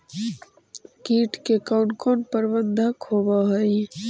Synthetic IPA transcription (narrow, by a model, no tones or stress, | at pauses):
kiʈkekaʊɳkɔnpəɾbənd̪ʱəkʰobəɦəj